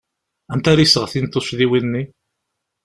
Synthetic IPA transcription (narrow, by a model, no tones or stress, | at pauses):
æmt̪æɾisəʁθint̪ːʊsðiwinːi